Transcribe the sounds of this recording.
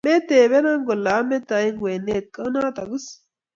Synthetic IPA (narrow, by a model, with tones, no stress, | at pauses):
me˦t̪eː˨βe˦na˦ŋɡo˨lːaː˨˦me˦t̪a˨ji˦ŋwe˨nːe˦t̪̚kʼə˦naː˦t̪ɐ˨ɡɨ˦s